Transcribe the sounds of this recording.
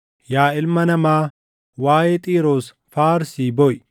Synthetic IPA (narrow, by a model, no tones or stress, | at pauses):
jaːɪlmɐnɐmaː | waːjeːt̪ʼiːɾoːs | faːɾsiːbɔʔ